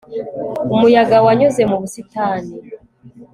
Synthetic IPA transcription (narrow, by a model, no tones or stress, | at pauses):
umujaɡawaɲoze̞muβusitaːni